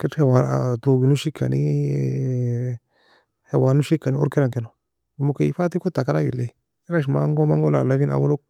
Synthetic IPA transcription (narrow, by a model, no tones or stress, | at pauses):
kethewaɾa̰toɡinuʃikʰa̰nḭ | hewanuʃikːanio̰ɾkeɾaŋkeno | mukefatikotakaɾaɡḭle | iɾaʃ̬imaŋɡomaŋɡolalavia̰wolok̚